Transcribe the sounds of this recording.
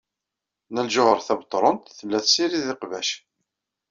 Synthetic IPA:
nælʒʊʁəɾˤθæbt̪ˤːɾˤənt̪θəmlæθsiɾiðɪqvæʃ

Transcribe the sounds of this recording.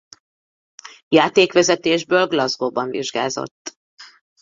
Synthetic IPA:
jaːt̪eːkʋɛzɛt̪eːʒbøːlɡlɒzɡoːbɒɱvḭʒɡa̰ːzo̰t̪ː

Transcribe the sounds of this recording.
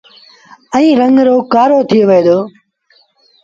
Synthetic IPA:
əɛ̃ĩːɾəŋɡɾoːkaːɾoːt̪ʰijoʋeeːd̪oː

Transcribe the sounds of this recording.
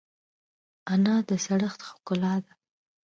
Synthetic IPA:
anɑd̪əsaɽəxt̪xʊ̥kʊlɑd̪a

